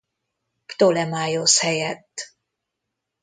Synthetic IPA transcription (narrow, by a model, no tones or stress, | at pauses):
pt̪olɛmaːjoshɛjɛt̪ː